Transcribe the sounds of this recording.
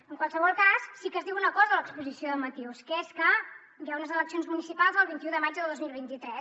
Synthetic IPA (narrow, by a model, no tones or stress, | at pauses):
əŋkwalˠsəβɔlˠkasːikəzðiwunəkɔzəðələkspuzisioðəmət̪iwskəeskə | jaunəzələksionzmunisipalˠzəlˠβint̪iuðəmad͡ʒdðəlˠd̪ozmilˠβint̪it̪ɾɛs